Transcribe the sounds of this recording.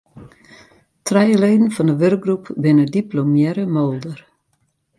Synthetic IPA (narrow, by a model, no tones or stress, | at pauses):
trɛjəleːdən̩fɔndəʋørk̚ɡrupbɪnədiplomjɛɾəmolˠdər